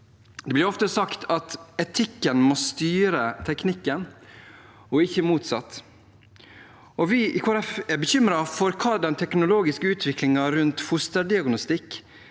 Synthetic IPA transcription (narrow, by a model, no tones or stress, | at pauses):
d̪ɛblɪɾɔft̪əsɑkt̪ʰɑt̪ɛt̪ʰɪkːənmɔːst̪yːɾət̪ʰɛknɪkːən | ɔɪçːəmuːt̪sɑt̪ː | ɔʋɪʔɪkʰɑɾɛfɛɾbəçʏmɾɑfɔɾkʰɑːd̪ɛnt̪ʰɛknʊloːɡɪskəʉːt̪ʰʋɪklɪŋɑɾʉnt̪hʊst̪əɖɪɑɡnʊst̪ɪkː